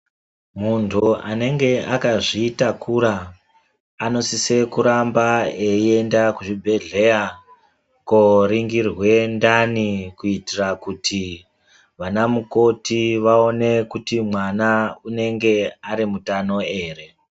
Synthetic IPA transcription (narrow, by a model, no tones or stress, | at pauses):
muntʰua̰ne̞ŋɡe̞ʔakaʐiːtakʰuɾaː | no̞sise̞kuɾambaeiendakuʐibʱe̞ɮe̞ja | koɾiŋɡirwe̞ndanikuitirakutʰi | ʋanamuko̞tiʋao̞ne̞kutimwanaune̞ŋɡe̞aɾimutano̞e̞ːre̞